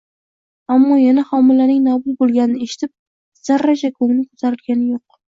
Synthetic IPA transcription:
amːɒjanahɒmɪlanɪŋnabʊt̪bolˠɡʲanɪnɪeʃɪ̥t̪ʰɪp̚ | z̥aɾːad͡ʒakʰomɪnɪkʰo̥t̪ʰaɾɪlɡʲanɪjoq̚

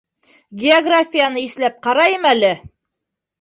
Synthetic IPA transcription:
ɡʲeoɡrafʲijanɤiθlæp̚qɑɾɑjɤmælɘ

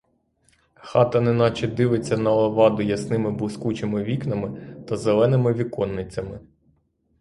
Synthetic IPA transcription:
xɑt̪ɐnɪnɑt͡ʃɛd̪ɪʋɪt͡sʲːɐnɐlˠɐʋɑd̪ʊjɐsnɪmɪbʊskut͡ʃemɪʋʲiknɐmɪt̪ɐzelˠɛnɪmɪʋʲikɔnːɪt͡sʲɐmɪ

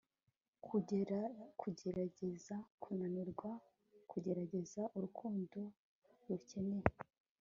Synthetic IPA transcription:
kʰu | kʰuɟeɾaɟezakʰunaniɾɡwa | kʰuɟe̞ɾaɟe̞zaʔuɾukʰuːndo | ɾuce̞neje

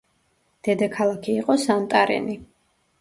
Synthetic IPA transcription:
d̪̥ɛd̪akʰalˠakʰiːqʼɔsant̪ʼaɾɛ̰ni

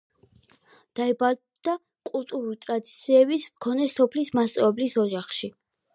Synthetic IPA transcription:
d̪̥aɛbaɾ | d̪̥a | kʼulˠt̪ʼuɾulit̪ʼɾad̪it̪sʰiɛbismkʰɔnɛsɔpʰlismast̪sʼavɛblisɔd͡ʒaχʃi

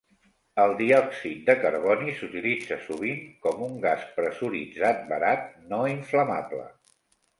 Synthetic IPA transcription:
əlˠd̪iɔksit̪̚d̪əkəɾβɔnisut̪ilid͡zəsuβ̞iŋkɔmuŋɡaspɾəsuɾid͡zat̪̚bəɾat̪̚noiɱfləma̰plə̰

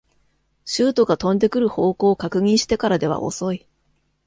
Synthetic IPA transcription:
ɕɨːt̪o̞ɡat̪õ̞nd̪e̞kɯ̟ɾɯ̟ho̞ːko̞ːkakɯ̟ɲ̟ʲĩɰ̃ɕi̥t̪e̞kaɾad̪e̞βa̰ʔo̞̰so̞i

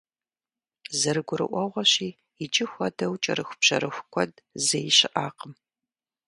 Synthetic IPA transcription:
zɐɾɨɡʷʊɾɨ̰ʔʷɔʁʷɐɕiː | ɪt͡ʃʼɪxʷɐdɐwt͡ʃʼɐ̰ɾɨxʷʊpɕɐ̰ɾɨxʷʊkʷʰɔdzejɪɕɪʔaːqəm

